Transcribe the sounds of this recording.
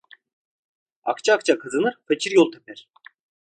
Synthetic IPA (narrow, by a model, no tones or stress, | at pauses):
a̰kt͡ʃʰaːk̚t͡ʃʰakʰɯzɯnɯɾfecʰiɾjolˠt̪ʰe̥pɛɾ̥